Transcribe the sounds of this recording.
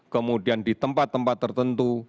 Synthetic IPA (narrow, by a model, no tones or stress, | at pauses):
kəmudiandit̪əmpat̪ːəmpat̪ːərt̪ənt̪u